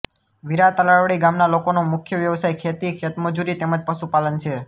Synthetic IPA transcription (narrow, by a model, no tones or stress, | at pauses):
ʋiɾat̪əlaɭʋɭiɡamnalokonomʊkʰjəʋjəʋsajkʰet̪ikʰet̪məd͡ʒuɾit̪eməd͡ʒpəʃupalənt͡ʃʰe